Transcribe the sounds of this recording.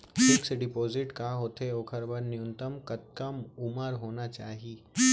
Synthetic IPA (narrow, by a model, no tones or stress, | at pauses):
sɪksɖɪpoːzɪʈkaːɦoːt̪eoːkʰɐɾbəɾnjʊ̃nt̪əmkɐt̪̚kəmʊməɾɦoːnat͡ʃaːɦiː